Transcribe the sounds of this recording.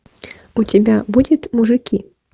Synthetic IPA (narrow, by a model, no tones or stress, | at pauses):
ut͡sʲɪbʲabudʲɛt̪ʲmuʐɨkʲi